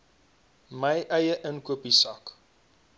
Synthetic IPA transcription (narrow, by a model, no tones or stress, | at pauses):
mɐjʔɐjəʔənkuəpisɐk